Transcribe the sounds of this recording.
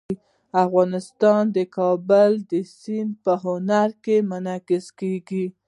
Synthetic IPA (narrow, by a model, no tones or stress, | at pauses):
afɣɑnɪst̪ɑnd̪əkɑbəld̪əsinpəɦʊnaɾkemʊnɑkɪskeɡi